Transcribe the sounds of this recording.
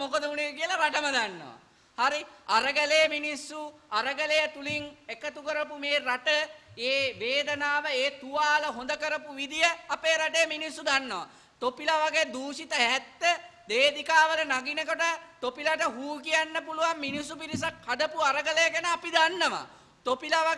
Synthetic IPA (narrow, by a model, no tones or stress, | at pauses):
mokəd̪əunekiəlaɾaʈəməd̪anːo̰ʋa̰ | haɾiaɾəɡəlejəminisːuaɾəɡəlejət̪uliŋekət̪ukəɾəpumeːɾaʈəeːʋeːd̪ənaːʋəeːt̪uʋaːləɦond̪əkəɾəpuʋid̪ijəapeːɾaʈejəminisːud̪anːoʋa̰ | t̪opilaʋaɡejəd̪uːʃit̪əɦɛt̪ːəd̪eːd̪ikaːʋələnaɡinəkoʈət̪opilaʈəɦuːkijanːəpuluʋamːinisːupiɾisakhad̪əpuaɾəɡələjəkenəapid̪anːəʋa̰ | t̪opilaʋa